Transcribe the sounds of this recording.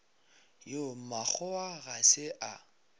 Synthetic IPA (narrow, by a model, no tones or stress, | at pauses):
jomak͡xʰɔaɣasɪʔa